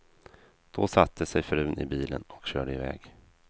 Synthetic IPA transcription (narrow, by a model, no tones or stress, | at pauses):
d̪̥ɔsat̪ʰːəsɛjfɾʉ̟ːnɪbiːlənɔkɕøːɖəɪvɛːɡ